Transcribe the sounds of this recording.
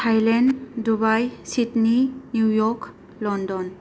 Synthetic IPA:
tʰajlɛndubajsitninjujɔk | lɔndɔn

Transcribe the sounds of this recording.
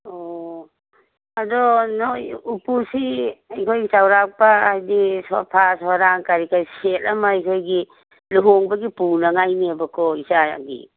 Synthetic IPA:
ɔ | adɔnojupusiajkʰojɡisawɾak̚paajdisɔ̰pʰasɔaɾaŋkaɾikaɾisetɐmaːjkʰojɡi | luɦoŋbɐɡipunɐŋajniabɐkʰɔisa̰ɡḭ

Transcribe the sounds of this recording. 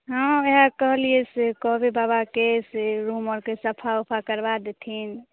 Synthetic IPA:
ɦə̃eɦəɾkəɦliesekɔɦbebabakeseɾuməɾkesəpʰaopʰakəɾbad̪et̪ʰin

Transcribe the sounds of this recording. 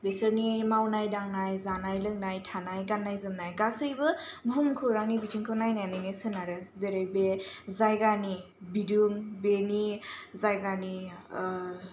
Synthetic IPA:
besɯɾnimawnajdaŋnajzanajlɯŋnajtʰanajɡanːajzɯmnajɡasɯjbɯbʱumkʰɯɾaŋnibitʰiŋkʰɯwnajnajnɯnisɯnaɾɯzeɾebezajɡani | biduŋbenizajɡani

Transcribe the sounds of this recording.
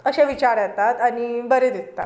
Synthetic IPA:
əɕẽʋit͡ɕaɾjɛt̪at̪añibəɾed̪et̪a̰t̪

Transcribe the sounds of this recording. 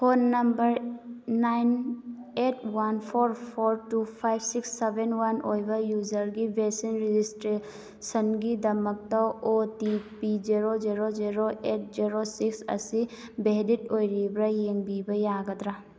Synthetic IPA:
pʰonːɐmbəɾː | ajnetʰwanpʰɔɾpʰɔɾʈupʰajbsiksːebenwanojbajuzəɾɡibesinɾid͡ʒisʈɾe | sənɡid̪ɐmək̚t̪aotipiziɾoziɾoziɾoʔet̚ziɾosiksə̰sibeditojɾibɾajeŋbibəjaɡət̪ɾa

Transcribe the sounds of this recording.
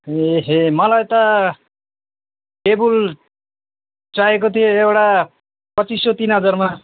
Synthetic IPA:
eɦemʌlajt̪ʌ | ʈebul | t͡saek̬ot̪ʰijoewʈa | pʌt͡sisʌt̪inɦʌd͡zʌrma

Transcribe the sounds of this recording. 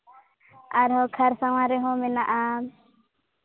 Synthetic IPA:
aɾɦɔkʰaɾsawaɾɛɦɔ̃mɛnaʔa

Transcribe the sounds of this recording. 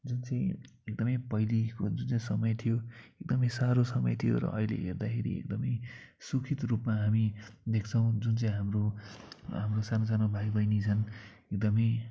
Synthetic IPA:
d͡zunt͡sãĩek̚d̪ʌmʌjpʌjlikod͡zunt͡saĩsʌmʌjt̪ʰijoek̚d̪ʌmʌj̃saɾosʌmʌ̰jt̪ʰijo̰ɾʌ̰ʔʌilḛɦerd̪akʰeɾḭḛkd̪ʌmʌjsukʰit̪rupmaɦamid̪ekʰt͡sʰʌw̃d͡zunt͡saĩɦamro | ɦamrosanosanobʱaɡd̪ʌjnit͡sʰʌnek̚d̪ʌmʌj̃

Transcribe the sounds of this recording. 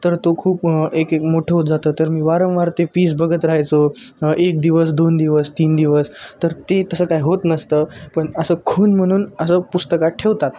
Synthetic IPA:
t̪əɾt̪okʰuːpekekmoʈʰəɦot̪̚d͡zat̪əːt̪əɾmiːʋaɾəmʋaɾt̪epiːs̬bəɡət̪ɾaɦajt͡soʔek̚d̪iʋəsd̪ond̪iʋəst̪iːnd̪iʋəst̪əɾt̪et̪əsəːkajɦot̪nəst̪əpəɳəsəːkʰonm̤əɽ̃uːnəsəːpust̪əkaʈʰeʋt̪at̪

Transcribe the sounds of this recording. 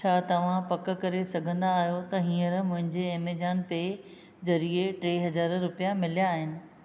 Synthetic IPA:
t͡ɕʰaːt̪ɐʋ̤ãpɐk̆kɐɾesɐɡʱə̃nd̪aːɦijot̪ɐɦĩːə̃ɾmʊ̃ɦɪ̃ɲd͡ʑeeːmeːd͡ʑaːnpe | d͡ʑɐɾieʈɾeːɦɐzaːɾɾʊpijamɪlijaːɦɪnɪ̆

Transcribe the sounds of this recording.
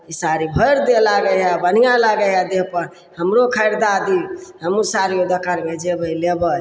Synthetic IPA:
isaɾibʱəjɾd̪elaɡəɦɛbən̤ijalaɡəɦɛd̪epəɾ | həmɾokʰəɪɾd̪ad̪iɦəmusaɾiod̪əkaɾmed͡ʒebəlebə

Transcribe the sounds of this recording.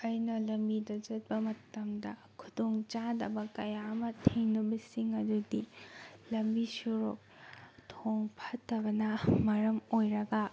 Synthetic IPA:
ɐjnɐlɐmbidɐd͡ʒɐt̚bɐmɐtɐmdɐ | kʰudoŋt͡ʃadɐ̰bɐkɐjaɐmɐtʰeŋnɐbɐsiŋɐdudilɐmbisuɾok̚tʰoŋpʰɐtːɐbɐnɐmɐɾɐmojɾɐɡɐ

